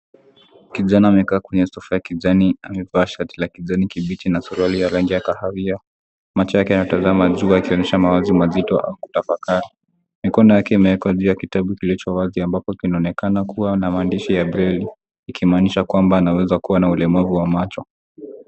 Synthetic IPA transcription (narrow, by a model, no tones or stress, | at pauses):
kiʄanaːmɛkaːkwɛɲɛsɔfajakiʄaniamɛvaʃatlakiʄanikiɓitinasuɾalijalaŋɡiakahaɾia | mat͡ʃɔjakɛanajɔtazamaʄuakiɔɲɛʃamawazimazitɔ̰ʔa̰uku̥tafakaɾi | mikɔnɔjakɛimɛwɛkaʄuːjakitaɓukilit͡ʃɔwaziambapɔkinaɔnɛkanakuwanamaːndiʃijabɾɛliː | kʰimaːniʃakwambaːnawɛzakuwanaulɛmavuwamat͡ʃɔ